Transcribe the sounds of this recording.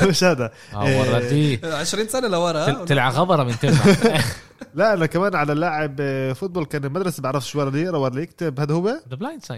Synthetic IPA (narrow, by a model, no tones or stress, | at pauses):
eʃæd̪æ | wɑɾɑd̪iːʕeʃɾiːnsænælæwɑɾˤɑʔt̪elʕaɣɑbɑɾˤɑmɪnt̪e | læʔænækæmæːnʕalælːaʕebfot̪̚boːlkæːnelmæd̪ɾˤɑsbeʕɾˤɑfʃwɑɾˤɑd̪iːeʔɾɑwɑɾˤɑjek̚t̪ebhæd̪howæd̪blajns